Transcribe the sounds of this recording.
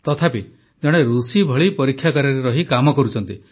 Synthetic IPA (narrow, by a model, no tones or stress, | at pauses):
t̪ɔt̪ʰapi | d͡ʒɔɽ̃eɾusibʱɔɭipɔɾikʰːjakɔɾɔɾeɾɔɦikamɔkɔɾut͡ʃʰɔnt̪i